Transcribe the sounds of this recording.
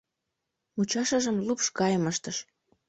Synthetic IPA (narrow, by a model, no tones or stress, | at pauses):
mut͡ɕɑʃəʒə̆mlupʃkɑjəməʃt̪əʃ